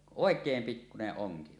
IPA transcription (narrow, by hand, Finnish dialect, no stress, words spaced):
oˑekˑeːm pikːuneʔ ʔoŋki